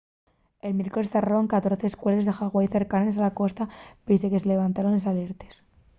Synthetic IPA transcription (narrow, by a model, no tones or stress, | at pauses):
e̞lmje̞ɾkoesθeraɾoŋkat̪o̞ɾθeːskwelezðe̞xaɣwajθe̞ɾkanesalako̞st̪apise̞ke̞sele̞βant̪aɾonesale̞ɾt̪es